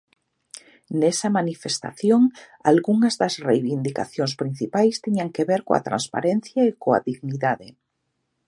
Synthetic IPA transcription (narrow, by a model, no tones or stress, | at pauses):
nɛsɐmanifest̪a̰θjoŋ | a̰lɣuŋɐzðɐzrejβind̪ika̰θjõnspɾin̟θipajst̪iɲaŋkeβeɾkoa̰t̪ɾa̰nspa̰ɾen̟θjaekoa̰ðiɣniðaðɪ